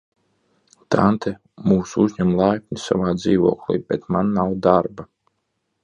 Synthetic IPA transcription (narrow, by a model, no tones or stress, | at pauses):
t̪ʰant̪ʰɛ | muːsuzʲɲæmlˠajpʲnʲisa̰vaːd̪ziːvṵɔklḭːbʲɛt̪manːawd̪aɾba